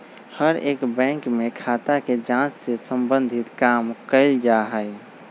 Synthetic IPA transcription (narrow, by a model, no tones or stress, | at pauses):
həɾeːkbɛ̃ːŋkmẽkʰaːt̪aked͡ʒãːt͡ʃsesə̃mbə̃nd̪ʱɪt̪kaːmkəɪld͡ʒaɦəɪ